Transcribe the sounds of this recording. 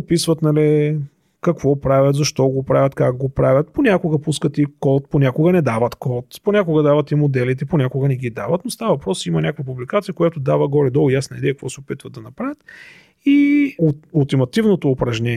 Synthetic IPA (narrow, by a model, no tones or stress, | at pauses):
opisvət̪nɐli | kɐkvɔpɾavʲjət̪zɐʃt̪ɔɡopɾavʲɐt̪kak̚ɡopɾavʲjət̪ponʲakʊɡəpuskət̪ikɔt̪̚ponʲakʊɡənɛd̪avɐt̪kɔt̪ponʲakʊɡəd̪avət̪imod̪ɛlit̪ɛponʲakʊɡənɛɡid̪avɐt̪nost̪avəvɐpɾɔsimɐnʲakvəpublikat̪sijəkojat̪ʊd̪avəɡɔɾɛd̪ɔlˠjasnəid̪ɛjək̚ɐkvɔsɛʊpit̪vəd̪ɐnɐpɾavʲət̪ | i | olˠt̪imɐt̪ivnot̪oːpɾɐʒnʲɛ